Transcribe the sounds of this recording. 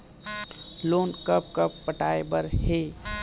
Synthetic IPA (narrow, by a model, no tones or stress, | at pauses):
loːnkəp̚kəpːəʈaːebəɾhe